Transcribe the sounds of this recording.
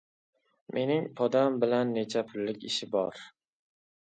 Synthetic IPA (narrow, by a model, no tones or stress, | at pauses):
mʔe̞nɪŋpʰɒd̪ambɪlanːe̞t͡ʃʰapʰʊlːɪkʲɪʃɪbɒɾ